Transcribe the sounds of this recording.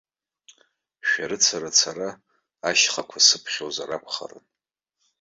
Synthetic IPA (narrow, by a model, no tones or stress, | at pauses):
ʃᶣaɾɨt͡sʰaɾat͡sʰaɾa | aʃχakʷʰasɨpʰχʲozaɾapʷʰχa̰rɨ̰n